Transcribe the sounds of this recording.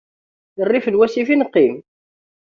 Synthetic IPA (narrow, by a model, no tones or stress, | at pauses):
jərˤːifəlwæsifinəqːim